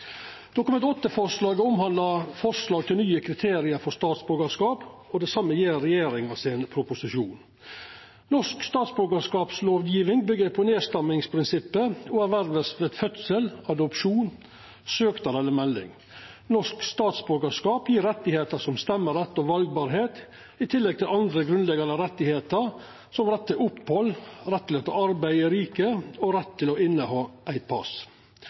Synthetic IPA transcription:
d̪̥ʊkʊmɛnt̪ɔt̪ːəfɔʂlɑːɡəɔmhɑnd̪lɑfɔʂlɑːɡ̚t̪ʰɪlnyːəkʰɾɪt̪ʰeːɾɪəɾfɔst̪ɑːt̪sbʉɾɡəʂkɑːpɔd̪ɛsɑmːəjeːɾɛjeːɾɪŋɑsɪnpʰɾʊpʊsɪʃuːn | nɔʂkst̪ɑːt̪sbʉɾɡəʂkɑːpsloːʋjiːʋɪŋbʏɡəɾpʰɔneːst̪ɛmɪŋspʰɾɪnsɪpːəɔːæɾʋæɾʋəsʋeːd̪fœt̪səlɑd̪ʊpʂuːn | søːkt̪ɑɾɛlːəɾmɛlːɪ̰ŋ | nɔʂkst̪ɑːt̪sbøɡəʂkɑːpjiːɾɛt̪ːɪheːt̪əsɔmst̪ɛmːəɾɛt̪ːɔʋɑlɡ̚bɑːɾɦeːt̪ | ɪt̪ʰɪlːɛɡ̚t̪ʰɪlɑnd̪ɾəɡɾʉnlɛɡɑnd̪əɾɛt̪ːɪheːt̪əɾ | sɔmɾɛt̪ːɪlʔʊpːhɔlɾɛt̪ːɪlɛt̪ə̰ɑɾbæɪəɾiːkəɔɾɛt̪ʰːɪlɔɪnːəhɑːʔæɪt̪̚pʰɑ̰s

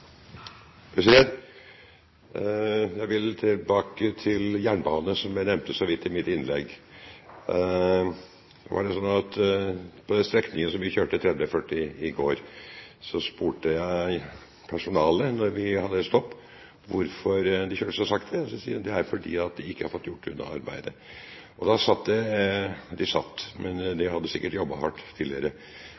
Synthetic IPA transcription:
pʰɛset̪ | jæɪʋɪlt̪ʰɪlbɑːkət̪ʰɪljæːɳbɑːnəsɔmænɛmt̪əsɔʋɪt̪ːɪmɪt̪ɪnlɛ̰ɡ | ʋɑ̰ɖɛsɔnːɑt̪pʰɔd̪ɛnst̪ɾɛknɪŋənsɔmʋɪçøːʈət̪ʰɾɛd̪əfœʈːɪɪɡoːɾsɔspuːʈəjæɪ | pʰæʂʊnɑːlənɔɾʋɪhɑd̪ːəɛt̪st̪ɔpː | ʋʊɾfɔɾd̪ɪçøːʈə̥sɔsɑkt̪d̪ɛsɔsiːd̪ɛæɾfɔɖḭːɑt̪̚d̪ɪɪkːəhɑɾfɔt̪ːjʊʈːʉ̰nːɑ̰ɑɾbæ̰ɪd̪ə | ʔɔd̪ɑsɑt̪ːd̪ɛ | d̪ɪsɑt̪ːmʔɛnd̪ɪhɑd̪ːəsɪkːəʈjɔbːɑhɑʈːt̪ʰːiːlɪəɾə

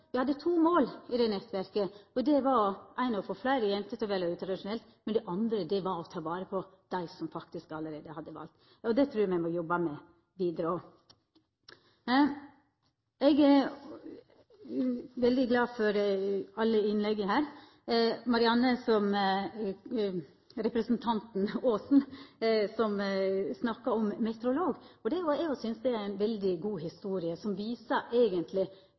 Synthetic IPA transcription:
ʋɪhɑd̪ːət̪ʰuːmoːlɪd̪ɛnɛt̪ʋæɾkəɔd̪ɛʋɑɾæɪnɑɔfoːflæɪɾəjɛnt̪ət̪ʰɪʋeːləʉːt̪ɾɑd̪ɪʂʊnɛlt̪mɛnd̪ɛʔɑnd̪ɾəd̪ɛʋɑɾɔt̪ʰɑːʋɑːɾəpʰɔd̪̥æɪsɔmfɑkt̪ɪskɑləɾeːd̪əhɑd̪ːəʋɑ̰ːlt̪ | ɔd̪ɛt̪ʰɾʉːɾmɛɪmɔjɔbɑmɛ | ʋiːd̪əɾəɔ | ɛɡæ | ʋɛld̪ɪɡlɑːfɔɾɑlːəɪnlɛɡːəɦæːɾ | mɑɾɪɑnːəsɔm | ɾɛpɾəsnt̪ʰɑnt̪n̩oːsn̩sɔmsnɑkːɑɔmmɛt̪əɾʊloːɡɔd̪ɛɔɛɔsʏnsd̪ɛæɾæɪnʋɛld̪ɪɡuːɦɪst̪uːɾɪəsɔmʋiːsəʔeːɡənt̪ʰlɪ

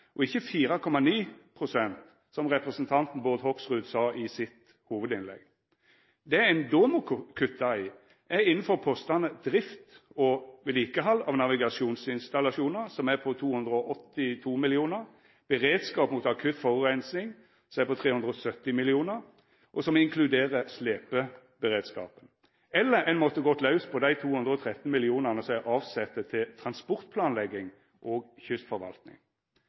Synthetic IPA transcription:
ʔɔɪçːəfiːɾɑkʰɔmːɑniːpʰʁʊsɛnt̪ | sɔmʁɛpʁɛsənt̪ʰɑnt̪n̩bɔʁd̪hɔksʁʉːd̪sɑːʔɪsɪt̪ | huːʋəd̪ɪnlɛ̰ɡ | d̪ɛæɛɪnd̪oːməkʰʉt̪ːɑ | ʔæɪnn̩fɔʁpʰoːst̪ɑnəd̪ɾɪft̪ɔʋɛliːkəɦɑlːɑʋnɑʋɪɡɑʃuːnsɪnst̪ɑlɑʂuːnəsɔmæpʰɔt̪ʰuːhʉnd̪ɾəɔʔɔt̪ːɪt̪ʰuːmɪlɪuːnəʁ | b̥əʁeːd̪skɑːpmuːt̪ɑkʰʉt̪fɔʁʉɛɪnsnɪŋ | sɔɛpɔt̪ʰʁeːhʉnd̪ʁəɔsœt̪ːɪmɪlɪuːnəʁ | ʔɔsɔmɪŋkʰlʉd̪eːʁəsleːpə | bəʁeːd̪skɑ̰ːpən | ɛlːəɾɛɪnmɔt̪ːəɡɔt̪lɑʉspʰɔd̪æɪt̪ʰuːhʉnd̪ʁəɔt̪ʰʁɛt̪n̩mɪlɪuːnəʁnəsɛʔɑːʋsɛt̪ːət̪ʰɪlt̪ʰʁɑnspɔʁt̪pʰlɑːnlɛɡːɪŋ | ʔoːɡçʏst̪fɔɾʋɑ̰lt̪nɪ̰ŋ

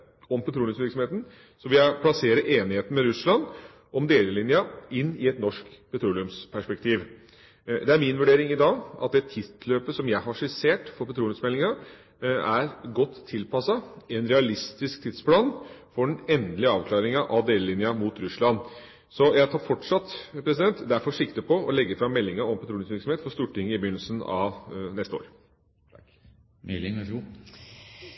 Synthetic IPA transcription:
ɔmpʰɛt̪ʰɾuːlɪʉmsʋɪɾksɔmeːt̪n̩ | sɔʋɪljæɪpʰlɑseːɾəʔeːnɪheːt̪n̩mɛɾʉslɑn | ʔɔmd̪eːləlɪnjɑɪnːɪɛt̪nɔʂkpʰɛt̪ɾuːlɪʉmspʰæʂpɛk̚t̪ʰiːʋ | d̪ɛæɾmɪnʋʉɖeːɾɪŋɪd̪ɑːɡʔɑt̪̚d̪ɛt̪ʰɪt̪løːpəsɔmjæɪhɑʂɪseːʈfɔɾpɛt̪ʰɾuːlɪmsmɛlːɪŋɑ | æɾɡɔt̪ʰːɪlpɑsɑɛnɾɛɑlɪst̪ɪskt̪ʰɪd̪splɑːnfɔɖɛnɛnd̪əlɪɑːʋkʰlɑːɾɪŋɑʔɑd̪eːləlɪnjɑmut̪ɾʉslɑn | sɔjæt̪ʰɑːfɔʈʂɑt̪pʰɾɛsɪd̪ɛnt̪d̪æfɔɾʂɪkt̪əpʰɔɔlɛɡːəfɾɑmːɛlːɪŋɑɔmpɑt̪ʰɾuːɪŋsʋɪɾksɔm̩eːt̪fɔst̪uːʈɪŋːəɪbəjʏnəlsən̩ɑ̰nɛst̪əo̰ːɾ | ɛ

